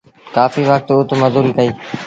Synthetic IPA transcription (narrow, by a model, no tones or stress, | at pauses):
kaːfiːʋək̚t̪uːt̪mɐzuːɾiːkəiː